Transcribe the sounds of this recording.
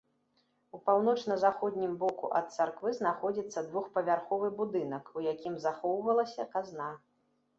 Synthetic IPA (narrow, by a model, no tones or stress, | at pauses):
upawn̪ɔt͡ʂnɐzaxɔd̪ʲnʲimbɔkṵʔɐt̪̚t̪sarkvɨznaxɔd͡zʲit̪sːɐd̪vuxpɐvʲarxɔvɨbud̪ɨnɐkujakʲimzaxɔwvɐlˠɐsʲɐkazna